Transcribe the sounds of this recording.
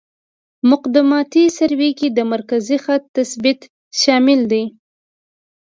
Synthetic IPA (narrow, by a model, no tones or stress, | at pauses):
mʊqd̪ɪmɑt̪isaɾwekid̪əmaɾkazixat̪ːasbɪt̪ | ʃɑmɪld̪aj